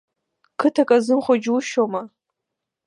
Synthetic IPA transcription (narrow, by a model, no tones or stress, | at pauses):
kʰɨtʰakʼazɨmχʷʊd͡ʒwʊʃoma